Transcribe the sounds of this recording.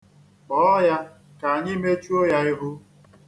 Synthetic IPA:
k͡pɔ˨˦ja˦ | ka˨a˨ɲɪ˦me˦t͡ʃu˦o˦ja˦ɪ˦ɦʊ˦

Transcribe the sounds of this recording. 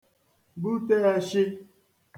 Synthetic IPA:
bu˦te˦a˦ʃɪ˦

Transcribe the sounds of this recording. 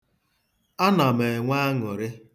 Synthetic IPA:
a˦na˨me˨ŋʷa˦a˦ŋɔ˨ɾɪ˦

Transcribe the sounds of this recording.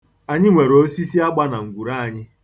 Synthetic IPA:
a˨ɲɪ˦ŋʷe˨ɾo˦si˦si˦a˦ɡ͡ba˦na˨ŋ̩˨ɡʷu˨ɾa˦a˨ɲɪ˦

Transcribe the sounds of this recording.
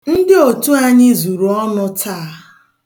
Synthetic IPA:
n̩˦dɪ˦o˨tu˦a˦ɲɪ˦zu˨ɾu˨ɔ˦nʊ˦tʰa˦a˦

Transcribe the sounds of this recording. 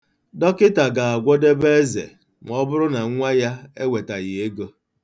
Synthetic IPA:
dɔ˦kɪ˦ta˨ɡa˨a˨ɡʷɔ˦de˦be˦zḛ˨ | m˨˦ɔ˦bʊ˦ɾʊ˦na˨ŋ̩˦ŋʷa˦ja˦e˦we˨ta˨ɣɪ˨e˦ɡo˦

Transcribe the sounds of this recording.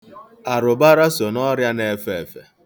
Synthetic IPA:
a˨ɾʊ˨ba˦ɾa˦so˨nɔ˦ɾja˦ne˦fe˨fḛ˨

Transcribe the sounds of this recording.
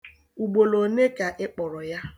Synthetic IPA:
u˨ɡ͡bo˨lo˨ne˦ka˨ʔɪ˦k͡pɔ˨ɾɔ˨ja˦

